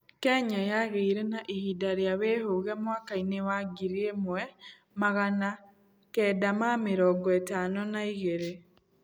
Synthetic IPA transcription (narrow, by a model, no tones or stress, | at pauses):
kɛɲajaɣeiɾenaʔihidaɾeaβehoɣɛmwakainewaɡiɾiemwɛ | maɣana | kɛːdamameɾɔɡɔetanɔnaiɣeɾe